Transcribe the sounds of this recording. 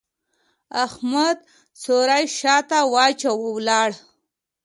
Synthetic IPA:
ahmad̪̚ | soɾajʃɑt̪awɑt͡ʃawəwlɑɽ

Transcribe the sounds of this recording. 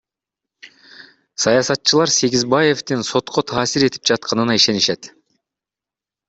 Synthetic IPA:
sɑjɑsɑt̪̚ːt͡ʃːɯlˠɑɾse̞ɡʲizbɑje̞ft̪inso̞t̪qo̞t̪ʰɑːsiɾe̞t̪ip̚d͡ʒɑt̪̚qɑnɯnɑiʃe̞niʃe̞t̪

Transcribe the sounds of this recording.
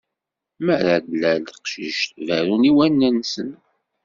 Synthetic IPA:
məɾadlælqʃiʃt̪væɾuniwænːənsən

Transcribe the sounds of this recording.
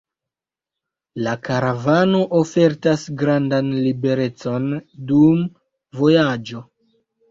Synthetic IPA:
lakaɾavano̞ʔofe̞ɾtasɡɾandanlibe̞ɾe̞t͡so̞ndum | vo̞jad͡ʒo̞

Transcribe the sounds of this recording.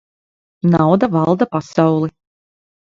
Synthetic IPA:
nawd̪avɑlˠd̪apasawlˠi

